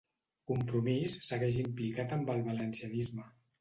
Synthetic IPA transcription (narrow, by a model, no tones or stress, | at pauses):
kumpɾumisːəɣɛʒimplikat̪əmbəlˠβələnsiənizmə